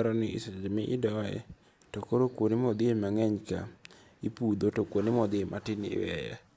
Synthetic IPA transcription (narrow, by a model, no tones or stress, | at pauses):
ɾɔnɪɪsɛd͡ʒmɪʔɪdɔɛ̰ | tokoɾokwonɪmɔd̪ɪemaŋɛɲka̰ | ipud̪otokwonɪmɔd̪ɪematɪnɪ̰wɛ̰jɛ̰